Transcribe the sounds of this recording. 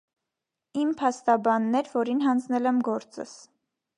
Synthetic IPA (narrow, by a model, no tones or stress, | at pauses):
impʰɑst̪ɑbɑnːɛɾvɔɾinɦɑnd͡znɛlɛmɡɔɾt͡sə̰s